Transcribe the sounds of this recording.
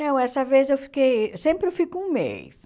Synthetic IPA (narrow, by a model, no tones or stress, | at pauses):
ɐ̃w̃ɛsɐvezewfi̥kejsẽmpɾɪfikʊũmḛjs